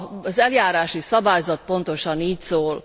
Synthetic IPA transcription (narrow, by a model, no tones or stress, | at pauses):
zɛljaːɾaːʃisɒbaːjzɒt̪̚po̞nt̪o̞ʃɒniːcsoːl